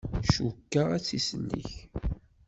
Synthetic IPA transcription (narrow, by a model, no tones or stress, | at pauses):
ʃukːaæt͡sːisəlːḭç